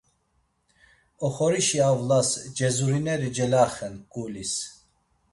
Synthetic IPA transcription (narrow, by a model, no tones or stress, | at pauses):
ɔχɔɾiʃiavlasd͡ʒɛzuɾinɛɾid͡ʒɛlaχɛnkʼulis